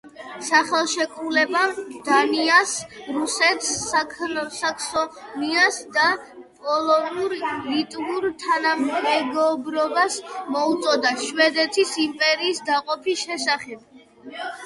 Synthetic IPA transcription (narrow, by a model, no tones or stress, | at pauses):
saχɛlˠʃɛkʼɾulɛbad̪̥aniasɾusɛt̪s | sakʰsɔniasd̪a | pʼɔlˠɔnuɾlit̪ʼuɾt̪ʰanamːɛɡɔbɾɔbasmɔut̪sʼɔd̪aʃwɛd̪ɛt̪ʰisimpʼɛɾiːsd̪aqʼɔpʰisʃɛsaχɛb̥̚